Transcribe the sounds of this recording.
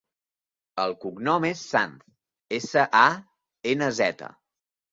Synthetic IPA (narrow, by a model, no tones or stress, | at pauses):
əlˠkuɡnɔmesːant̪ | esəʔa | enəzɛt̪ə̰